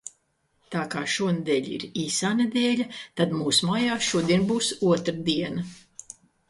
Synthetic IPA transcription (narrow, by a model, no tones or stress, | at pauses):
t̪aːkaːʃuɔnd̪ɛːʎʲḭɾiːsaːned̪eːlʲat̪ad̪muːsumaːjaːʃuɔd̪iɛnbuːsuɔt̪ɾad̪iɛnɐ